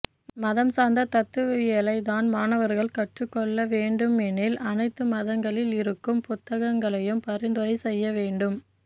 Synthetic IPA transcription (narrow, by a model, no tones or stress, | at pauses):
mɐðɐmsaːnd̪ɐt̪ɐt̪ːɯʋɐjɛlɐɪðaːnmaːnɐʋɐɾɣɐɭkɐʈrɯkːɔɭːɐʋeːɳɖɯmɛnɪlʔɐnɐɪt̪ːɯmɐðɐŋɡɐɭɪlɪɾɯkːɯmpʊt̪ːɐɣɐŋɡɐɭɐjɯmpɐɾɪnd̪ɯɾɐɪsɛjːɐʋeːɳɖɯm